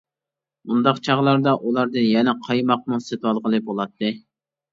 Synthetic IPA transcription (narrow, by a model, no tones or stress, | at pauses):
mund̪ɑqt͡ʃʰɑʁlˠɑɾd̪ɑʔulˠɑɾd̪ɨnjɛnɛqʰɑjmɑq̚muset̪ʰwɑlˠʁəlˠɨbolˠɑt̪ʰːɨ